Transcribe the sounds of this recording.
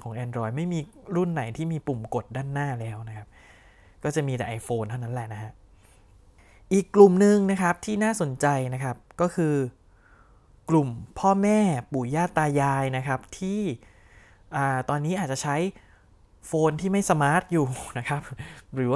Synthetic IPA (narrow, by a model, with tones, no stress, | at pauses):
kʰɔː˩˦ŋʔɛː˧ndɾɔː˧jma˥˩jmiː˧ɾu˥˩nːa˩˦jt̪ʰiː˥˩miː˧pu˨˩mko˨˩t̪̚daː˥˩nːaː˥˩lɛː˦˥wna˦˥kʰa˦˥p̚ | kɔː˥˩t͡ɕa˨˩miː˧t̪ɛ̰˨˩ʔa˧jfoː˧nt̪ʰa˥˩wna˦˥lɛ˨˩ʔna˦˥kʰa˦˥ʔ | ʔiː˨˩kːlu˨˩mnɯ˧ŋna˦˥kʰa˦˥p̚t̪ʰiː˥˩naː˥˩so˨˩˦nt͡ɕa˧jna˦˥kʰa˦˥p̚kɔː˥˩kʰɯː˧ | klu˨˩mpʰɔː˥˩mɛː˥˩puː˨˩˦jaː˥˩t̪ːaː˧jaː˧jna˦˥kʰa˦˥p̚t̪ʰiː˥˩ | ʔaː˨˩t̪ɔː˧nːiː˦˥ʔaː˨˩t̪̚t͡ɕa˨˩t͡ɕʰa˦˥j | foː˧nt̪ʰiː˥˩ma˥˩jsa˧maː˦˥t̪̚juː˨˩na˦˥kʰa˦˥p̚ɾɯː˨˩˦wa˥˩